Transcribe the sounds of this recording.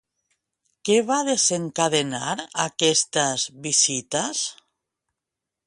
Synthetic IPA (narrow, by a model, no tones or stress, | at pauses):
keβaðezeŋkaðenaɾakɛst̪azβisit̪as